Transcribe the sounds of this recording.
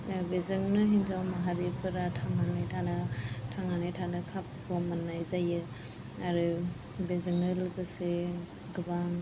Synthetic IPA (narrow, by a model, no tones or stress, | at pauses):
bezɯŋnɯɦinzawmaɦaɾepʰɯɾatʰaŋanajtʰanɯtʰaŋanajtʰanɯkʰap̚kʰɔmanːajzajɯ | aɾɯ | bezɯŋɯlɡɯse | ɡɯbaŋ